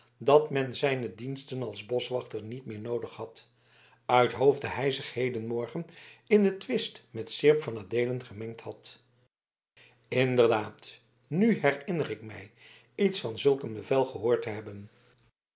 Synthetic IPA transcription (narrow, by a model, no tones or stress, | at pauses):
dɑtmɛnzɛjnədinstənɑlˠzbɔsʋɑχtəɹnitmɪːɹnowdəχhɑt | œɥtɦowvdəɦɛjzəχhejdənmɔɹχənɪndətʋɪstmɛtsɪɹpfɑnaːdejlənχəmɛŋk̚thɑt | ɪndərdaːt | nyɦɛrɪnərɪkmɛ̰j | itsfɑnzɵlˠkənbəvɛlˠχəɦʊːɹtəɦɛbən